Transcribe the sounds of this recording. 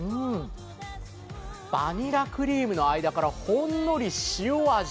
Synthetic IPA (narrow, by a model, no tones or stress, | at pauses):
ɯ̟ | b̥aɲ̟iɾakɯ̟ɾʲiːmɯ̟no̞aid̪akaɾahõ̞nːo̞ɾʲiɕijoːa